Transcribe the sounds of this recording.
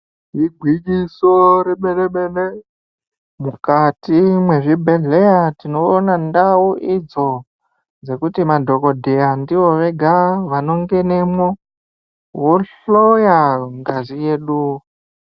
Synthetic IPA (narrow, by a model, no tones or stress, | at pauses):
ɦiɡʱwikisoɾeɓeleɓele | mukatimwe̞ʐibʱe̞ɮe̞jatino̞ːnandauʔid͡zo̞ | d͡ze̞kutimadʱo̞ko̞dʱeandiʋo̞ʋe̞ɡʱaʋano̞ŋɡe̞ne̞mo | woɬojaŋɡazije̞ːɗu